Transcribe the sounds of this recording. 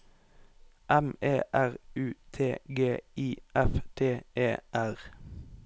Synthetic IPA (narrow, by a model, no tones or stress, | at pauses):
ʔɛmeːʔæʁʉːt̪ʰeːɡeːiːɛft̪ʰeːʔeːʔæʁ